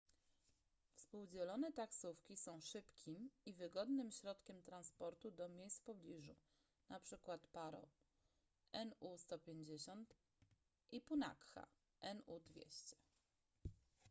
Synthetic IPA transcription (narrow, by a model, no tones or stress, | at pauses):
fspuwd͡ʑɛlɔnɛt̪aksufkʲisɔ̃w̃ʂɘpkʲʰimivɘɡɔd̪nɘmɕɾɔt̪kʲɛmt̪ɾanspɔɾt̪ud̪ɔmʲjejst̪pɔblʲiʐu | napʂɘkwat̪paɾɔ̰ | ɛnust̪ɔpʲjeɲd͡ʑeɕɔnt̪ | ʔipuna̰kxa̰ | ʔɛnud̪vʲjḛɕt͡ɕɛ̥